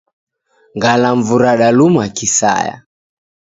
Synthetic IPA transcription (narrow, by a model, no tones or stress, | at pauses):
ŋɡalaɱvuɾaɗalumakisa̰ja̰